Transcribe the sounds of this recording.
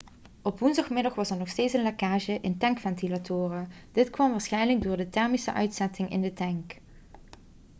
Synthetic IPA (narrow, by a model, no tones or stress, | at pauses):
ɔpʋunzdɑχmɪdɑχʋɑsɛɹnɔχxsteːtsənlakaːʒəʔɪntɛŋkfɛntilatʰʊːrə | d̥ɪtkʋɑmʋaːɹsχɛjnləɡ̚dʊːɹdətɛɹmisə̰ʔœɥtsɛtɪŋɪ̰ndətɛŋk